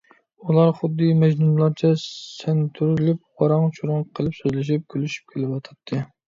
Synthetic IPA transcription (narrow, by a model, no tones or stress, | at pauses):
ulˠɑɾχʊd̪ːɨmɛd͡ʒnumlˠɑɾt͡ʃʰɛsɛnt̪ʰyɾlɪp̚ʁɑɾɑŋt͡ʃʰuɾʊŋqʰəlˠɨpsøzlɪʃ̬ip̚kʲʰølyʃy̥p̚kʲʰelɪpwɑt̪ʰɑt̪ʰːɨ